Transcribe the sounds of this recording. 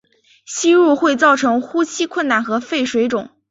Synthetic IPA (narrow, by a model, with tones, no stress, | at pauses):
ɕi˥ɻu˥˧xwe˥˧ɪt͡sɑ˥˩ʊʈ͡ʂʰɤ˧˥ŋxu˥t͡ɕʰi˥kʰwə˥˧nna˥˩nxɤ˧˥fe˥˩ɪʂwe˧˥ɪʈ͡ʂʊ˨˩˦ŋ